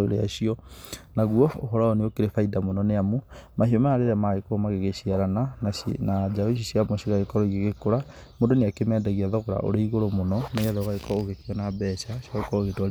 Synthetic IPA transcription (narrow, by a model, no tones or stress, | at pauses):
oɾḛa̰ɕiɔnaɣuɔo̰ɦɔɾaɔneokeɾefaidamonɔneamomaʃiomaaɾeɾamaɣekoɔmaɣeɣeɕiaɾanananad͡ʒaeʃ̬iɕiamɔɕiɣaɣekɔɾɔiɣeɣekoɾa | mondoneakemɛːdaɣiaðɔɣoɾa̰ʔo̰ɾeiɣoɾomonɔnaaðɔɣaekɔoɣekeɔnabɛʃaʃɔekɔoɣetwa